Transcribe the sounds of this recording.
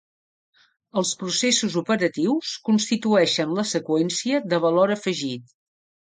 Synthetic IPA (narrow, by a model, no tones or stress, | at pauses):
əlˠspɾusesuzupəɾət̪iwskunst̪it̪uɛʃənləsəkwɛnsiəðəβ̞əloɾəfəʒit̪